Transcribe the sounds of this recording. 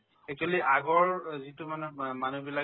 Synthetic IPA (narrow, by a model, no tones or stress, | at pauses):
ɛk̚tuwaliʔaɡɔɹzitumanɛmanubila